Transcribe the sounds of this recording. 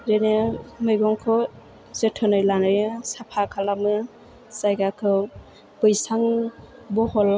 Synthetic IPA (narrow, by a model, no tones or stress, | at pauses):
ɾenemɯjɡɔŋkʰɔ | zetʰɔnɯjlanɯjɯsapʰakʰalamɯ | sajɡakʰɯw | b̥ɯjsaŋbɔhɔl